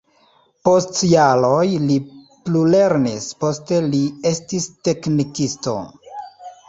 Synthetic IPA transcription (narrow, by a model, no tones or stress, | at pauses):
po̞stjalojli | plule̞ɾnispo̞ste̞lie̞stiste̞knikisto̞̰